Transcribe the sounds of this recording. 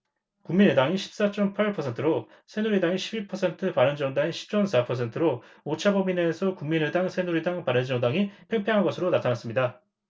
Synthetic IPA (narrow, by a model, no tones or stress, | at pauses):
kuŋminedaŋiɕʰi̥p̚s͈at͡ɕ͈ʌmpʰaɾɭpʰʌsʰe̞ntʰɯɾo | sʰe̞nuɾidaŋiɕʰibiɭpʰʌsʰe̞ntʰɯpaɾɯnd͡ʑʌŋdaŋiɕʰi̥p̚t͡ɕ͈ʌmsʰapʰʌsʰe̞ntʰɯɾoot͡ɕʰabʌmine̞sʰʌkuŋminedaŋsʰe̞nuɾidaŋpaɾɯnd͡ʑʌŋdaŋipʰeŋpʰeɦanɡʌsʰɯɾonatʰanas͈ɯmɲida